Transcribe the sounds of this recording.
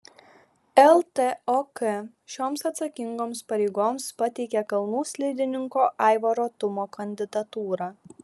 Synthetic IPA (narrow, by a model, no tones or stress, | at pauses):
ɛlˠt̪eoːkɛ | ʃʲoːmsɐt̪sɐkʲɪŋɡoːmspɐɾʲɛɪɡoːmspɐt̪ʲɛɪkʲɛkɐlˠnuːsʲlʲɛɪd̪ʲɪnʲɪŋkoːʔɑˑɪʋoɾoːt̪ʊmoːkʰɐnʲd̪ʲɪd̪ɐt̪uːɾɑː